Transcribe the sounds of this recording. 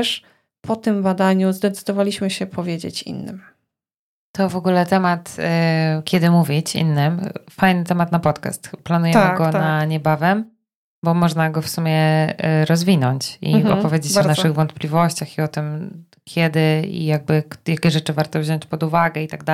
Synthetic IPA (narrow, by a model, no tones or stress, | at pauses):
ʂ | pʰɔt̪ɘmbad̪aɲuzd̪ɛt̪sɘ̥d̪ɔvalʲiɕmɘɕɛpʰɔvʲjed͡ʑḛt͡ɕḭnːɘ̰m | t̪ɔvɔɡulɛt̪ɛmat̪ | kʲɛd̪ɘmuvʲit͡ɕḭnːɘmfajnɘt̪ɛmat̪napɔt̪ka̰st̪planujɛmɘɡɔaɲɛbavɛm | bɔmɔʐnaɡɔfsumʲjɛɾɔzvʲinɔɲt͡ɕḭɔ̰pɔvʲjed͡ʑet͡ɕɔnaʂɨɣvɔnt̪̚plʲivɔɕt͡ɕaxiɔt̪ɘm | kʲjɛd̪ɘḭjaɡ̚bɘkjakʲɛʐɛt͡ʂɘvaɾt̪ɔvʑɔɲt͡ɕpɔd̪uvaɡɛit̪aɡ̚d̪a